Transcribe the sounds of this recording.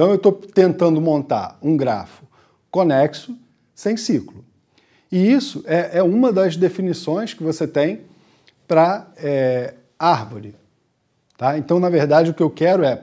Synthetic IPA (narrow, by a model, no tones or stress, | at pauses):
t̪ɐ̃w̃ewt̪ot̪ẽnt̪ɐ̃nd̪ʊmõnt̪a̰ɾũɡɾa̰fʊ̥ | konɛksʊ | sẽj̃siklʊ | ɪisʊʔɛʔɛũmɐd̪ɐzd̪efinisõj̃skɪvoset̪ẽj̃ | pɾɐɛ | aɾvoɾɪ | t̪aẽnt̪ɐ̃w̃nɐveɾd̪ad͡ʒɪʊkɪewkɛɾʊɛ